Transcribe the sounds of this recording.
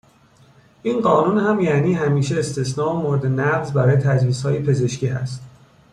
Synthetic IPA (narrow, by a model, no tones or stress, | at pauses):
ʔinɢɒːnunhæmjæniːɦæmiːʃeːst̪ʰe̞snɒːomoɾed̪enæɡzbæɾɒːjet̪ʰæd͡ʒviːshɒːjepʰe̞ze̞ʃcʰiːɦæ̰st̪